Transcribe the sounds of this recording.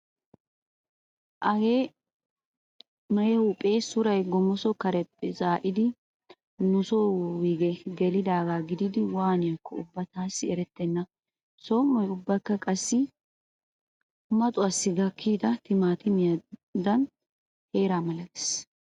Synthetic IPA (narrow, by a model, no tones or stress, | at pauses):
ʔɐɡeː | mɐjɛhʊpʼeːsʊɾɐjɡɔmɔsɔkɐɾɛpːɛzaːʔɪd̪ɪ | nʊsowiːɡɛɡɛlɪd̪aːɡaːɡɪd̪ɪd̪ɪwaːnɪjɐkːɔʊbːɐt̪aːsːɪɛɾɛt̪ːɛnːɐ | somːɔjʊbːɐkːɐkʼɐsːɪ | mɐt̪ʼʊɐsːɪɡɐkʰːiːd̪ɐt̪ɪmaːt̪ɪmɪjɐd̪ɐn | he̞ːɾaːmɐlɐd̪ɛ̥s